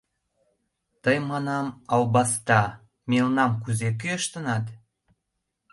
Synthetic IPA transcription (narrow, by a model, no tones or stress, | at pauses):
t̪əjmɑnɑmɑwbɑst̪ɑ | melnɑmkuzek̬yəʃt̪ənɑt̪